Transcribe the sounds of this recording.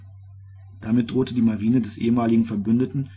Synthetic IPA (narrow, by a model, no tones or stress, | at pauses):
d̥amɪt̚d̥ʁoːtədiːmaʁiːnədɛsʔḛːəmaːlɪɡŋ̩fɛɐbʏndətn̩